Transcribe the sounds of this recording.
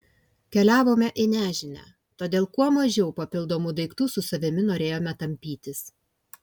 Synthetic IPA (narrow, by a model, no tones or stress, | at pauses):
kʲɛlʲæːʋoːmʲɛʔɪnʲæːʒʲɪnʲæ̰ː | t̪oːd̪ʲeːlˠkuɔmɐʒʲɛʊpɐpʲɪlˠd̪oːmuːd̪ɐɪkt̪uːsʊsɐʋʲɪmʲɪnoːɾʲeːjoːmʲɛt̪ɐmʲpʲiːt̪ʲɪs